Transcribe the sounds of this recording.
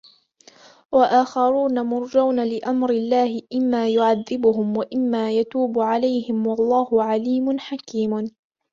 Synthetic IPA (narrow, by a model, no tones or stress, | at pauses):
waʔaːxɑɾˤuːnamʊɾˤd͡ʒawnalɪʔamɾɪlːaːhɪʔɪmːaːjʊʕaðːɪbʊhʊmwaʔɪmːaːjat̪uːbʊʕalajhɪmwɑlˤːɑːhʊʕaliːmʊnħakiːm